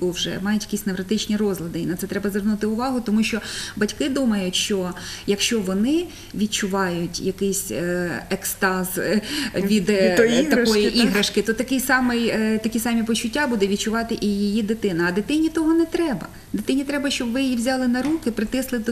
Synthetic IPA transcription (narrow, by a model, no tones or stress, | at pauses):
wʒɛ̰mɑjʊtʲjɐkisʲneʋɾɐt̪ɪt͡ʃnʲirɔzlˠɐd̪ɪinɐt̪sɛt̪ɾɛbɐzʋɛrnut̪ɪʊʋɑɦʊt̪ɔmuʃt͡ʃɔbɐtʲkɪd̪umɐjʊtʲʃt͡ʃɔjɐkʃt͡ʃɔʋɔnɪ | ʋʲid̚t͡ʃʊʋɑjʊtʲjɐkɪsʲɛkst̪ɑzʋʲid̪t̪t̪ɐɔjiʔiɦɾɐʃkɪt̪ɔt̪ɐkɪjsɑmɪjt̪ɐkʲisɑmʲipɔt͡ʃʊtʲːabud̪ɛʋʲid̚t͡ʃʊʋɑt̪ɪʔijijid̪ɪt̪ɪnɐɐd̪ɪt̪ɪnʲit̪ɔɦɔnɛt̪ɾɛbɐ̰ | d̪ɪt̪ɪnʲit̪ɾɛbɐʃt͡ʃɔbʋɪjiʋzʲɑlˠɪnɐɾukɪpɾɪt̪ɪslˠɪd̪